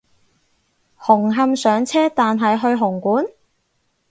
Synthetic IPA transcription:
hʊ˨˩ŋɦɐ˧msœː˨˥ŋt͡sʰɛː˥t̪aː˨nɦɐ˨jɦɵ˧ɥɦʊ˨˩ŋkuː˨˥n

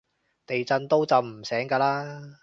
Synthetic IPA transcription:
t̪e˨jt͡sɐ˧nt̪o˥wt͡sɐ˨wm̩˨˩sɛː˨˥ŋkaː˧laː˥

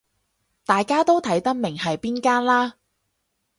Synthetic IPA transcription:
t̪aː˨jkaː˥t̪o˥wt̪ʰɐ˨˥jt̪ɐ˥k̚mɪ˨˩ŋhɐ˨jpiː˥nkaː˥nlaː˥

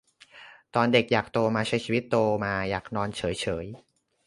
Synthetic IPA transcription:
t̪ɔː˧nde˨˩k̚jaː˨˩k̚t̪oː˧maː˧t͡ɕʰa˦˥˦jt͡ɕʰiː˧wi˦˥t̪ːoː˧maː˧jaː˨˩k̚nɔː˧nt͡ɕʰɤː˩˦jt͡ɕʰɤː˩˦j

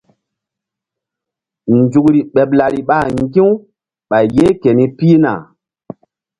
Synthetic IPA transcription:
nd͡ʒu˨kɾi˨ɓe˨pla˨ɾi˨ɓa˦˨ŋɡĩ˦w | ɓa˨jje˦ke˨ni˦pi˦na̰˨

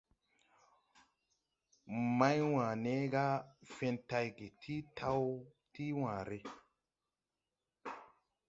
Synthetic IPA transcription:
ma˦jwãː˨ne˦ɡa˦fe˧nta˧jɡe˨tʰi˦tʰa˦w | ti˦wãː˨ɾe˨

